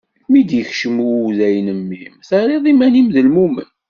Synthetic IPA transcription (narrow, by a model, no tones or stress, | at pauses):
mid̪jəçʃəmuðæjənəmːimθæɾiðˤimænimðəlmumə̰n